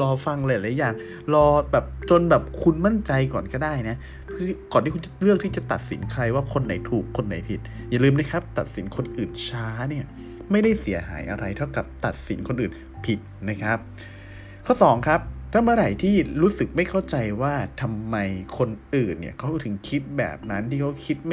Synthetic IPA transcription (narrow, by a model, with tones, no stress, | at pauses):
lɔː˧fa˧ŋlaː˧˨˩jaː˨˩ŋ | lɔː˧bɛː˨˩p̚t͡ɕo˧nbɛː˨˩p̚kʰu˧nma˥˩nt͡ɕa˧jkɔː˨˩nkɔː˥˩daː˥˩jna˦˥ | pʰkɔː˨˩nt̪ʰiː˥˩ku˧nt͡ɕa˨˩lɯ˥˩ək̚t̪ʰiː˥˩t͡ɕa˨˩t̪a̰˨˩t̪̚sḭ˩˦nkʰɾa˧jwaː˥˩kʰo˧nːa˩˦jt̪ʰuː˨˩kʰːo˧nːa̰˩˦jpʰi˨˩t̪̚ja˨˩lɯː˧mna˦˥kʰa˦˥p̚t̪a˨˩t̪̚si˨˩˦nkʰo˧nʔɯː˨˩nt͡ɕʰaː˦˥ni˥˩ɐ | ma˥˩jda˥˩jsi˩˦ɐɦa̰ː˩˦jʔa˧ɾa˧jt̪ʰa˥˩wka˨˩p̚t̪a˨˩t̪̚si˩˦nkʰo˧nʔɯː˨˩n | pʰi˨˩t̪̚na˦˥kʰɾa˦˥p̚ | kʰɔː˥˩sɔː˩˦ŋkʰa˦˥p̚t̪ʰa˧ma˧ɾa˨˩jt̪ʰiː˥˩ɾuː˦˥sɯ˨˩k̚ma˥˩jkʰa˥˩wt͡ɕa˧jwaː˥˩t̪ʰa˧mːa˧jkʰo˧nʔɯː˨˩nːḭ˧˥˩kʰa˧˦˥wt̪ʰɯ˩˦ŋkʰi˦˥t̪̚bɛ̰ː˨˩p̚na˦˥nt̪ʰiː˥˩kʰa˦˥wkʰi˦˥t̪̚m˥